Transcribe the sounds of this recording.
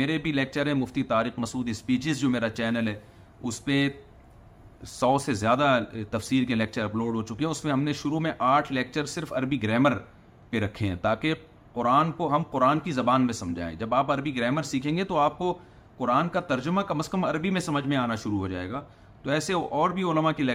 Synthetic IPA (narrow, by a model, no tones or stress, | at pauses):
meːɾebʱilɛːk̚t͡ʃəɾɦɛ̃mʊft̪it̪aːɾiːxmɐsuːd̪ɪspiːʃɪzd͡ʒoːmeːɾat͡ʃɛːnəlɦɛː | ʊspẽ | sɔːsezjaːd̪at̪ɐfsiːɾkelɛːk̚t͡ʃəɾɐploːɖɦoːt͡ʃʊkiɦɛ̃ʊsmẽɦɐmneʃʊɾumẽʔaːʈʰlɛːk̚t͡ʃəɾsɪɾfɐɾbiɡɾɛːməɾ | peɾɐkʰːeɦɛ̰̃ːt̪aːke | qʊɾaːnkoɦɐmqʊɾaːnkizɐbaːnmẽsɐ̃md͡ʒʱa̰ːḛ̃d͡ʒɐbaːpɐɾbiɡɾɛːməɾsiːkʰẽːŋɡet̪oaːp̚ko | qʊɾaːnkat̪ɐɾd͡ʒʊmakɐməskəmɐɾbimẽsɐməd͡ʒʱmẽaːnaʃʊɾuɦod͡ʒa̰ːeːɡaː | t̪oɛːseʔɔːɾbʱiʊləmakilɛ